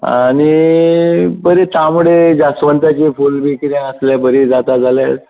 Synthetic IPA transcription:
a̰ɽ̃i | bəɾet̪amuɽed͡ʑasʋənt̪at͡ɕifulbʱikɾẽəsljabəɾid͡zat̪ad͡zʱalja̰ɾ

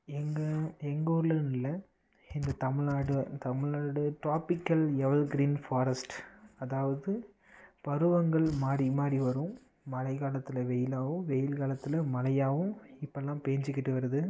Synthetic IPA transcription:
ɛŋɡɐɛŋɡoːɾlɐnɪlɐ | ɪnd̪ɐt̪ɐmɪɭaːɽɯt̪ɐmɪɭnaːɽɯʈɾaːpɪkːɐljɛʋɐlɡɾiːnfaːɾɐsʈɐðaːʋɐðɯ | pɐɾɯʋɐŋɡɐɭmaːɾimaːɾiʋɐɾɯ̃mː | ɐlɐɪɣaːlɐt̪ːɯlɐʋɛjɪlaːʋɯ̃mʋɛjɪlɣaːlɐt̪ːɯlɐmɐlɐjaːʋɯ̃mɪpːɐɛlːãːpeːɲd͡ʒɪkːɪʈːɯʋɐɾɐðɯ

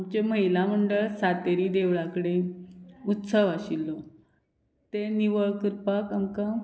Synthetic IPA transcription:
amt͡ɕeməɦilam̤əɳɖəɭsat̪eɾiːd̪eʋɭakəɽe | ut̪səʋaɕilːɔ | t̪eniʋəɭkəɾpakamka

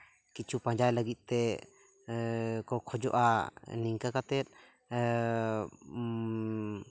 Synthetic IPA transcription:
kit͡ʃʰupãɲd͡ʒajləɡit̪̚t̪ɛ | kɔkʰɔd͡ʒɔʔaniŋkakat̪ɛt̪̚ˀ

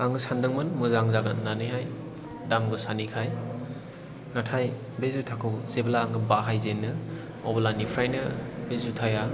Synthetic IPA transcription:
aŋɯsandɯŋmɯnmɯzaŋzaɡanːanɯjɦaj | damɡɯsanikʰaj | natʰaj | bezutʰakʰɯwzeblaːŋɡɯbaɦajzenːɯ | ɔbalanipʰɾajnɯbezutʰaja

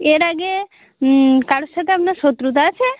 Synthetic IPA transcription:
eɾaɡe | kaɽʃat̪eapnaʃot̪ɾut̪at͡ʃʰe

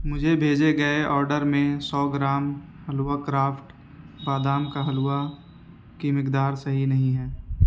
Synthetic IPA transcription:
mʊd͡ʒʱebʱeːd͡ʒeɡɐeʔɔːɾɖəɾmẽsɔːɡɾaːm | hɐluakɾaːfʰʈ | baːd̪aːmkaɦɐluːa | kimɪkd̪aːɾsɐɦinɐɦĩɦɛː

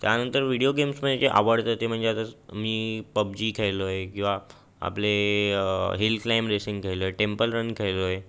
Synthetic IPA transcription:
t̪janənt̪əɾʋiɽioɡemsməet͡ɕeʔa̰ʋəɽt̪ət̪em̤əɳd͡zeat̪əmiːpəbd͡ʑiːkʰejlojekĩw̃ʋa | a̰ple | ɦilklamɾesiŋɡkʰejlojeʈempəlɾənkʰejloje

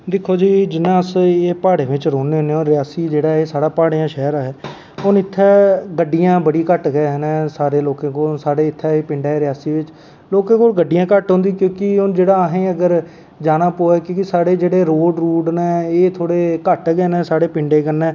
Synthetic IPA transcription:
d̪ɪkʰːoːd͡ʒiːd͡ʒɪnːãːəseːpaːɽeːʋɪt͡ʃɾoːneːɦoneːoːnɾɪjaːsiːd͡ʒeːɽaːeːsaːɽaːpaːɽeãːʃɛːɾaːɦɛː | ʊnɪt̪ʰːɛːɡəɖːɪjãːbəɽiːkəʈɡɛɦnɛ̃ːsaːɾeːloːkãːkoːnsaːɽeːɪt̪ʰːɛːeːpɪ̃ɳɖaːɛːɾɪjaːsiːʋɪt͡ʃ | loːkãːkoːlɡəɖːɪjãːkəʈɦõːnd̪iːkjõːkɪʊnd͡ʒeːɽaːəɦẽːəɡəɾ | d͡ʒaːnãːpoːɛːkjõːkɪsaːɽeːd͡ʒeːɽeːɾoːɖɾuːɖnɛ̃ːeːt̪ʰoːɽeːkəʈɡɛːnɛ̃ːsaːɽeːpɪ̃ɳɖeːkənɛ̃ː

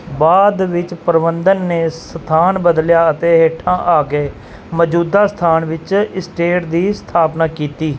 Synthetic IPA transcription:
baːd̪ʋɪt͡ʃpəɾbənd̪ənːeːsət̪ʰaːnbəd̪ljaːət̪eːɦeːʈʰãːʔaːɡeː | məd͡ʒuːd̪aːst̪ʰaːnʋɪt͡ʃɪsʈeːʈd̪iːst̪ʰaːpnaːkiːt̪iː

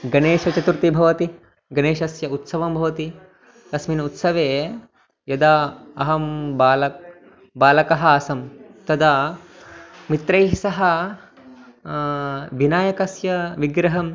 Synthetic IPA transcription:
ɡɐneːʃɐt͡ʃɐt̪uɾt̪ibʱɐʋɐt̪i | ɡɐneːʃɐsjɐut̪sɐʋɐmbʱɐʋɐt̪i | t̪ɐsminɐut̪sɐʋeː | jɐd̪aːɐɦɐmbaːlɐk̚ | baːlɐkɐɦɐːsɐmt̪ɐd̪a | mit̪ɾɐjɦisɐɦɐ | ʋinaːjɐkɐsjɐʋiɡɾɐɦɐm

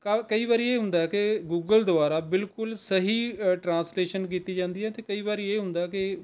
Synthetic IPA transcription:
kakəiːʋaːɾiːeːɦʊ̃nd̪aːɛkɪɡuːɡəld̪ʊaːɾaːbɪlkʊlsəɦiːʈɾãːnsleːʃənk̬iːt̪iːd͡ʒãːnd̪iːɦɛːt̪eːkəiːβaːɾiːeːɦʊ̃nd̪aːkɪ

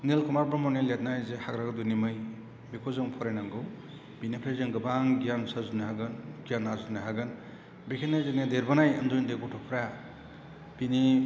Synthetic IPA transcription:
nelkʰumaɾpɾamɔnelet̚najzehaɡɾaɡdunimɯj | bekʰozɯŋpʰɔɾajnaŋɡɯw | binipʰɾazeŋɡɯbaŋɡijansazuniɦaɡɯnɡijanːazunaɦaɡɯn | bekʰenːajzenedeɾbanajɯ̰ndujndekɔtʰɔpʰɾa | b̥ini

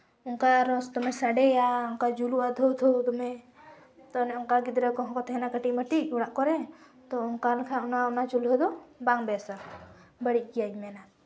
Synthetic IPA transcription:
uŋkaɾɔst̪ɔmɛsaɖɛjaʊŋkad͡ʒuluwad̪ʱɔwt̪ʰɔwt̪ɔmɛ | t̪ɔnɛɔŋkaɡid̪ɾakɔɦɔ̃kɔt̪ɦɛnakəʈiʔməʈiʔuɽaʔkɔɾɛ | t̪ɔuŋkalkʰaunaunat͡ʃulɦɔd̪ɔbaŋbɛsa | bəɽiʔkijad͡ʒmɛnaʔ

